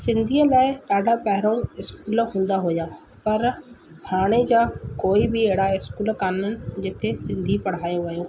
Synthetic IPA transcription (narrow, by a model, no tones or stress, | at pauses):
sɪ̃nd̪ʱiːelaːɪaːɖaːpɛɦɾõːɪskuːlɦʊ̃ːnd̪aːɦoːjaː | pəɾbʰʱaːɽ̃eːd͡ʒaːkoːiːbieːɽaːɪskuːlkanən̆d͡ʒɪt̪ʰːeːsɪ̃nd̪ʱiːpəɽ̤aːjõʋəjõː